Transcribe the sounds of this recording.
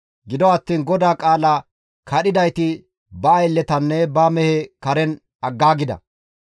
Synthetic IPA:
ɡɪd̪ɔɐt̪ːiːnɡɔd̪aːkʼaːlaː | kɐɗɪd̪ɐjt̪ɪ | bɐɐjlːɛt̪ɐnːɛbamɛhɛkɐɾɛn | ɐɡːaːɡɪd̪ɐ̰

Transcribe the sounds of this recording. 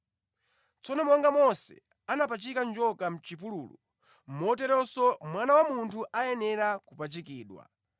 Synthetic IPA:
t͡sɔnɔmɔŋɡamɔsɛ̰ | anapat͡ʃikand͡ʒɔkam̩t͡ʃipuluːlṵ | m̩mɔtɛɾɔsɔmwanawamuntʰuʔajɛnɛɾakupat͡ʃikiːɗwa̰

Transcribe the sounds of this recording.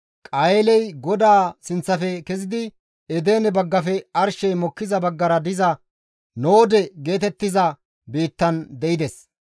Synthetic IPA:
kʼɐjlɛjɡɔd̪aːsɪnt͡sːɐfɛkɛzɪd̪ɪ | ɛd̪e̞ːnɛbɐɡːɐfɛɐɾʃɛjmɔkːɪzɐbɐɡːɐɾɐd̪ɪzɐ | noːd̪ɛɡe̞ːt̪ɛt̪ːɪzɐ | biːt̪ːɐnd̪ɛɪd̪ɛs

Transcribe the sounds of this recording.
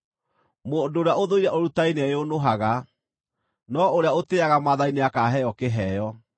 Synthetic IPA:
moːndoːɾeaoðoiɾɛʔoɾutaineɛjonoɦaɣa | nɔoɾeaoteaɣamaðaineakaɦɛjɔkeɦɛjɔ

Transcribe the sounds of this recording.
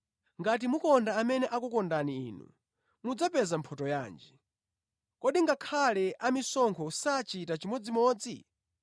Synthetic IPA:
ŋɡat̬imukɔndaːmɛnɛʔakukɔndanḭːnṵ | mud͡zapɛzampʰɔtɔjaːnd͡ʒi | kɔɗiŋɡakʰalɛʔamisɔŋkʰɔusat͡ʃitat͡ʃimɔd͡zimɔːd͡zḭ

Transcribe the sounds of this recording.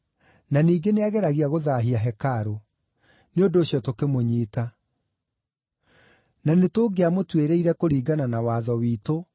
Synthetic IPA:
naniːɡeneaɣɛɾaɣiaɣoðaːɦiaɦɛkaɾo | neondoːɕjɔtokemoɲiːta | nanetoːɡeamotweɾeiɾɛkoɾiːɡananawaːðɔwiːto

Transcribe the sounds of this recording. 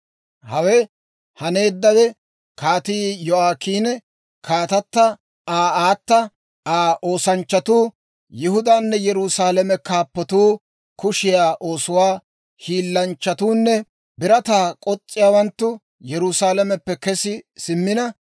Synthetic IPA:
hɐwɛ | hɐne̞ːd̪ːɐwɛ | kaːt̪iːjɔaːkiːnɛ | kʰaːt̪ɐt̪ːɐ | aːaːt̪ːɐ | aːʔo̞ːsɐnt͡ʃːɐt̪uː | jɪhʊd̪aːnːɛjɛɾusaːlɛmɛkaːpːɔt̪uː | kʊʃɪjaːʔo̞ːsʊwaː | hiːlːɐnt͡ʃːɐt̪uːnːɛ | bɪɾɐt̪aːkʼɔt͡sʼːɪjaːwɐnt̪ːʊ | jɛɾʊsaːlɛmɛpːɛkɛsɪsɪmːɪnɐ

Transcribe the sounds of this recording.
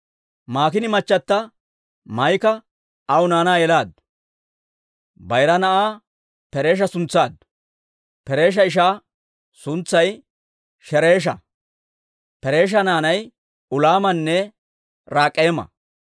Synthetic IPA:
maːkɪnɪmɐt͡ʃːɐt̪ːɐ | mɐjkɐ | ɐwʊnaːnaːjɛlaːd̪ | bɐjɾɐnɐʔaː | pɛɾe̞ːʃ̬ɐsʊnt͡sːaːd̪ | pɛɾe̞ːʃ̬ɐɪʃ̬aː | sʊnt͡sːɐj | ʃɛɾe̞ːʃ̬ɐ | pɛɾe̞ːʃ̬ɐnaːnɐj | ʊlaːmɐnːɛ | ɾaːkʼːeːmɐ̰

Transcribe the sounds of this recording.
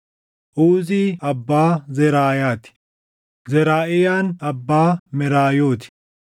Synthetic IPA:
ʔuːziːɐbːaːzɛɾaːjaːt̪ɪ̥ | zɛɾaːʔɪjaːnɐbːaːmɛɾaːjo̞ːt̪ɪ̥

